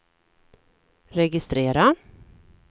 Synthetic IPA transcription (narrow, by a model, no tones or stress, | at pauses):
ɾɛɡɪst̪ɾeːɾa